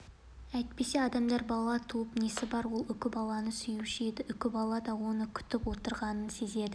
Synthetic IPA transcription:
æjt̪̚pe̞se̞ɑd̪ɑmd̪ɑɾbɑlˠɑt̪ʰuwəpnesɪbɑɾwo̞lˠʏkʲɪbɑlˠɑnəsʏjuʃed̪ɪʔʏkʲɪbɑlˠɑd̪ɑwo̞nəkʲʰʏ̥t̪ɪpwo̞t̪əɾʁɑnənse̞ze̞d̪ɪ

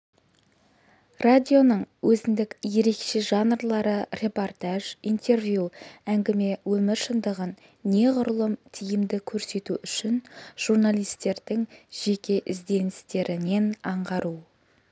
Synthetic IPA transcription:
rad̪ʲio̞nəɴwɵzɪnd̪ɪkje̞ɾe̞kʃe̞ʒɑnrlˠɑɾəre̞po̞rt̪aʒijnt̪e̞rvjuæŋɡʲɪme̞wɵmɪɾʃənd̪əʁənː | e̞ʁʊɾəlˠəmt̪ʰijɪmd̪ɪkʲʰɵɾse̞t̪uʔʏʃɪnʒ̥urnalˠijst̪e̞ɾd̪ɪŋʒ̥e̞kʲe̞ʔɪzd̪e̞nɪst̪e̞ɾɪne̞nɑɴʁɑɾu

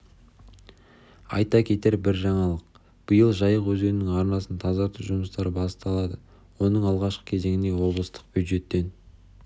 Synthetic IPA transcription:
ɑ̰jt̪ɑkʲʰe̞t̪e̞ɾbɪɾʒɑɴɑlˠəq̚ | b̥əjəlˠʒɑjəqwɵzde̞ɾɪnɪŋɑɾnɑsənt̪ʰɑzɑɾt̪uʒʊməst̪ɑɾəbɑsə̥t̪ɑlˠɑd̪ə | wo̞nəɴɑlˠʁɑʃqə̥kʲʰe̞ze̞ŋɪne̞wo̞blˠəst̪ə̥q̚b̥jud̪ʒe̞t̪ːe̞n

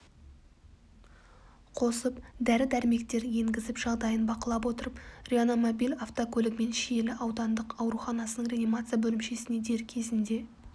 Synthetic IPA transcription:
qʰo̞səpd̪æɾɪd̪æɾɪme̞kt̪e̞ɾje̞ŋɡʲɪzɪpʒ̥ɑlˠd̪ɑjənbɑqəlˠɑp̬wo̞t̪əɾəprʲeono̞mobijlʲaft̪okʰɵlɪkme̞nʃije̞lɪʔɑwd̪ɑnd̪əqɑwɾuχɑnɑsənəɴrʲeanimat̪sɨijabɵlɪmʃe̞sɪne̞d̪e̞ɾkʲʰe̞zɪnd̪e̞

